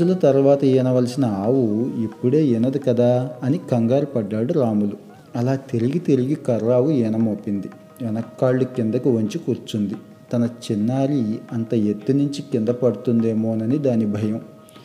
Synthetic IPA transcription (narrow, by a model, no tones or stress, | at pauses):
ulɐt̪ɐɾuʋaːt̪ɐɛːnɐʋɐlɐsinɐaːʋuipːuɽe̞ːinɐd̪ikɐd̪aːɐnikɐŋɡaːɾipɐɖːaːɽuɾaːmulu | ɐlaːt̪eɾiɡit̪eɾiɡikɐɾːaːʋuɛnɐmoːpind̪i | ɛnɐkːaːɭːukind̪ɐkuʋoɲt͡ʃikuɾt͡ʃund̪i | t̪ɐnɐt͡ʃinːaːɾiɐnt̪ɐet̪ːunuɲt͡ʃikind̪ɐpɐɽut̪und̪e̞ːmo̞ːnɐnid̪aːnibʱɐjɐm